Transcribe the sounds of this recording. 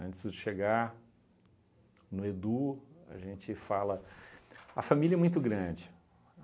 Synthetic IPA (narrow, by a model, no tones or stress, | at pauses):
ɐ̃nt͡ʃɪzd͡ʒɪʃeɡa | nʊed̪uɐ̰ʒẽt͡ʃɪfalɐ | ɐfamiljɐɛmũj̃t̪ʊɡɾɐ̃d͡ʒɪ